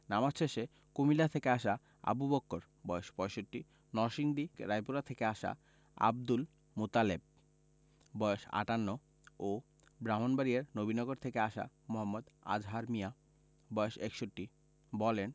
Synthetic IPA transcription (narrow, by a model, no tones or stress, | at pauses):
namaʃt͡ɕʰeʃe | kumilat̪ʰekeaʃa | a̰bubokːoɾ | bɔjoʃpɔeʃoʈːi | nɔʃiŋd̪iɾajpuɾat̪ʰekeaʃa̰ | a̰b̚d̪ul | mut̪aleb̚ | bɔoʃa̰ʈanːo | o | bɾamonbaɾieɾnobinɔɡoɾt̪ʰekeaʃa̰ | moɦamːod̪a̰d͡ʑɦaɾmija | bɔeʃekʃoʈːi | bɔlen